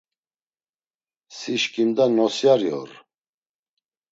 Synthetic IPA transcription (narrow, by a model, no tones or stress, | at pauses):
siʃkʼind̪anɔsjaɾjɔ̰ɾ